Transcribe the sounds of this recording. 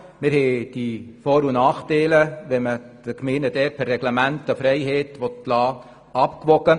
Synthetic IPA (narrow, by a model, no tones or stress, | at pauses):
mɪɾɦɛd̥ifɔːɾunɑːχteːləʋɛməd̥əkmeːnədɛːpʰɛɾrːɛɡlemæntəfɾɛɪɦɛːtʋɔtːlɑː | ɑpkʋɔɡə